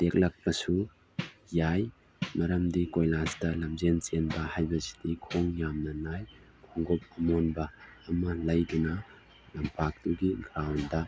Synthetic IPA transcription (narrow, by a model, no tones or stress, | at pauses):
d̥ek̚lɐk̚pɐsu | jaj | mɐɾɐmdikojlasdɐlɐmzent͡ʃenbɐhajbɐsi̥dikʰoŋjamnɐnaj | kʰoŋɡop̚ɐmonbɐːmɐlɐjdunɐ | lɐmpʰak̚tuɡiɡɾawndɐ